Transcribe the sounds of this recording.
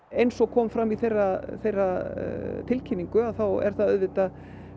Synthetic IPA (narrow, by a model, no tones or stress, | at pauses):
ejnsɔɣkʰɔːmfɾamːiθejraθejra | t̪ʰɪlcʰinːiŋkʏaθawɛ̰ɾ̥θaðœðvɪt̪a